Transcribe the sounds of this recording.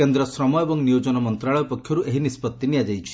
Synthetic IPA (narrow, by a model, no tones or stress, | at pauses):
end̪ɾɔsɾɔmɔjebɔŋnijod͡ʒɔnɔmɔnt̪ɾaɭɔjɔpɔkʰːjɔɾueɦinispɔt̪ːiniad͡ʒajt͡ʃʰi̥